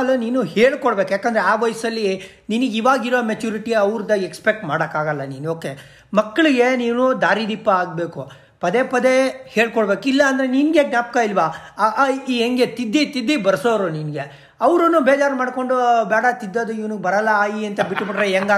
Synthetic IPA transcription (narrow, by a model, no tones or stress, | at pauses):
ɐlːɐniːnuɦeːɭkɔɽbeːkujaːkɐːnd̪ɐɾeaːʋɔːjsɐlːi | niniɡiːʋaːɡiɾoomet͡ʃuːɾiʈiɐʋɾd̪ɐekspek̚ʈmaːɽɐkaːɡɐlːɐniːnuoːke | mɐkːɐɭiɡe̞niːnud̪aːɾid̪ipːɐaːɡbeːku | pɐd̪epɐd̪eheːɭkɔɽbeːkilːɐːnd̪ɐɾeninɡe̞ɡnjaːp̚kɐilʋa | iɦeŋɡet̪id̪ːit̪id̪ːibɐɾsoːɾuninɡe̞ | ɐʋɾɐnːubeːd͡ʒaːɾmaːɖko̞ɳɖubaːɽɐt̪id̪ːɐd̪uiʋɐnubɐɾɐlːɐaːjiɐnt̪ɐbiʈːbiɽɾeeŋɡaː